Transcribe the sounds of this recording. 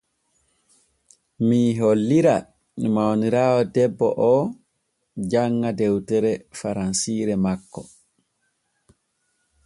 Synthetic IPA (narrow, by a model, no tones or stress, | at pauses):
miɦolːiɾa | mimawniɾaːwɔdɛbːɔʔɔː | d͡ʒaŋːadɛwtɛɾɛfaɾansiːɾɛmakːɔ